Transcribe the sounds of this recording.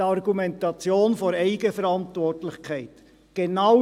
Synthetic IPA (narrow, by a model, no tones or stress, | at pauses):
ɑɾɡumɛntɑt͡sjoːnfoɾɛɪɡəfəɾɑntvɔrtlɪχkʰɛɪt | ɡ̥enɑ